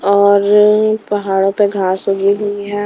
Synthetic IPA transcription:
ɔːɾpɐɦaːɽõpeɡʱaːsɦoːɡiɦʊiɦɛ̃ː

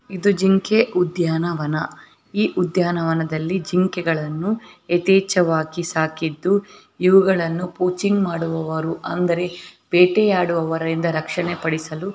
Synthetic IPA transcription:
id̪ud͡ʒiŋkeʔud̪jaːnɐʋɐnɐ | iːʔud̪jaːnɐʋɐnɐd̪ɐlːid͡ʒiŋkɛɡɐɭɐnːuet̪ɛːt͡ʃɐʋaːkisaːkid̪ːu | iʋuɡɐɭɐnːupuːt͡ʃiŋɡmaːɽuʋɐʋɐɾuʔɐnd̪ɐɾe̞b̥eːʈejaːɽuʋɐʋɐɾɐɾind̪ɐɾɐkʂɐɳepɐɽisɐlu

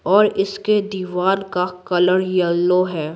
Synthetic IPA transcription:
ɔːɾɪsked̪iːʋaːnkakɐləɽjɐlːoɦɛː

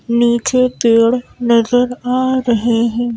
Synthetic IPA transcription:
niːt͡ʃet̪eːɽnɐzəɾaːɾɐɦeɦɛ̃ː

